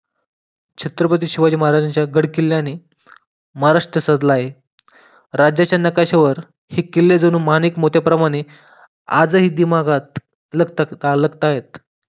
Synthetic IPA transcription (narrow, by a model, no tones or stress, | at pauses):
t͡ɕʰet̪ɾəpət̪̬iːɕiʋad͡ʑiːməɦaɾad͡ʑat͡ɕjaɡəɽkilːjañi | məɦaɾaʂʈɾəsəd̪laɦe | ɾad͡ʑjat͡ɕjanəkaɕeʋəɾ | hiːkilːed͡zəñuːmaniːkmot̪japɾəmaɽ̃e | ad͡zəɦiːd̪imaɡat̪̚ | ləɡt̪aləɡt̪aɦet̪̚